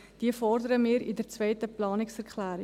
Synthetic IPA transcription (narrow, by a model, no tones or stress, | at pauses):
d̥iəfɔrdəɾəmɪːɾḭdərt͡svœɪtəplɑːnɪksɛrkʰlæːɾɪ